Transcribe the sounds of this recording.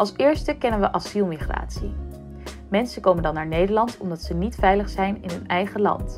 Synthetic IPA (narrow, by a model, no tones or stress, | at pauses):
ʔɑlˠsɪːɹstəkɛnənʋəʔɑsilˠmiχra̰ːtsi | mɛnsəkowməndɑnːaːɹnejdəɹlɑntʰɔmdɑtsənitfɛjləχsɛjnɪnɦɵnɛjχəlɑ̰nt